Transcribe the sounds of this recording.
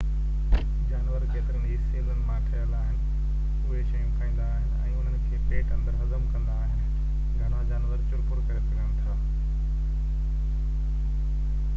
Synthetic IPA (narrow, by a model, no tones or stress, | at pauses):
d͡ʑaːnʋəɾkeːt̪ɪɾəniːseːlənɪ̆mãːʈʰɐjəlaːɦɪnɪ̆ | ʊɦeʃɐjũkaːĩːn̆d̪aːɦɪnɪ̆ɛ̰̃ːʊn̤ənkʰeːpeːʈɐ̃nd̪əɾɦɐzəmkɐ̃nd̪aːɦɪnɪ̆ | ɡʱɐɽ̃ad͡ʑaːnʋəɾt͡ɕʊɾpʊɾkɐɾepɐɗəɽ̃t̪ʰaː